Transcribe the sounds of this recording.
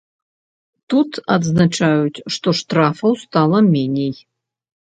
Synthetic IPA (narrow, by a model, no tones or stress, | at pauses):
t̪ut̪ɐd̪znat͡ʂajut͡sʲʂt̪ɔʂt̪ɾafɐwst̪alˠɐmʲenʲej